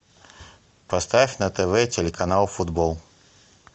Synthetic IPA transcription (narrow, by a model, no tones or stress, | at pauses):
pɐst̪afʲnət̪ɛvɛtʲɪlʲɪkɐnalˠfʊd̪bolˠ